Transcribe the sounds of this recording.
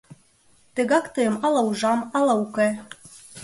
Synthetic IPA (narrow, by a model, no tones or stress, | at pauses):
t̪ə̆ɣɑkt̪ɤjə̆mɑlˠɑuʒɑmɑlɑuke